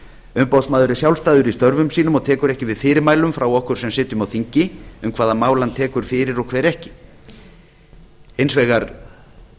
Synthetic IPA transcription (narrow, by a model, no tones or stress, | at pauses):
ʏmpawsmaːðʏɾɪsjawlst̪aːðʏɾist̪œɾvʏmsiːnʏmɔɣt̪ʰɛːkʏɾɛhcɪvɪðfɪːɾɪɾmaːjlʏmfɾawɔhkʏɾ̥sɛmsɪːt̪jʏmawθiɲcɪʏmkʰvaːðamaːwlant̪ʰɛːkʏɾ̥fɪːɾɪɾɔɣkʰvɛːɾɛhcɪ̥ | ejnsvɛːɣaɾ